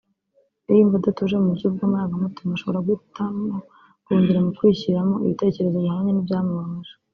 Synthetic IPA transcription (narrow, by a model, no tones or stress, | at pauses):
ijiɱvodatuʒemumuɾɟub̚ɡomaːɡamotumaʃo̞βoɾaɡutamo | kuːɲdiɾamukwiːçiɾamo̞ḭβite̞ːce̞ɾe̞zo̞βihaɲenibjaːmuβamaʒ̥ḁ